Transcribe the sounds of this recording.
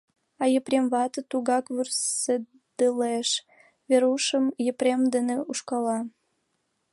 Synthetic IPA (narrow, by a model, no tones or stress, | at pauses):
ɑjəpɾʲemβɑt̪ət̪uɣɑkβyrsə | d̪̥əleʃ | βeɾuʃəmjəpɾʲemd̪eneuʃkɑlɑ